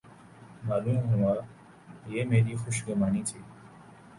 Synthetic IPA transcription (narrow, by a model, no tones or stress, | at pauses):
maːluːmɦuʋãː | jeːmeːɾiːxʊʃɡəmaːniːt̪ʰiː